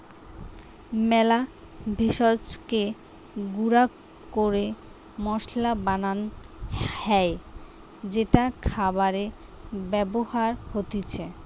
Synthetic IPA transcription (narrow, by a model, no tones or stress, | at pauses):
mɛla | bʱeʃot͡ɕke | ɡuɾa | koɾe | mɔʃlabanan | hɛj | d͡ʑeʈakʰabaɾe | bɛbohaɾhot̪it͡ɕʰe